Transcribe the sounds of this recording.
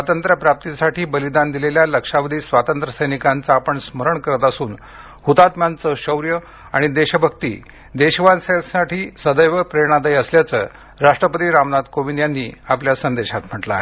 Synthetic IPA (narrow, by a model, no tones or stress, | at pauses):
sʋat̪ənt̪ɾəpɾap̚t̪isaʈiːbəlid̪and̪ileljaləkʂaʋəd̪ʱiːsʋat̪ənt̪ɾəsəjnikant͡saːpəɳsməɾəɳkəɾət̪asuːn | hut̪at̪mjant͡səɕəwɾjə | aɽ̃id̪eɕəbʱəkt̪ḭː | d̪eɕʋansesaʈʰiːsəd̪əjʋəpɾeɽ̃ad̪əjəsljat͡sə̰ː | ɾaʂʈɾəpət̪iːɾamnad̪koʋinjanːiːapljasənd̪eɕat̪m̤əʈla̰ɦḛ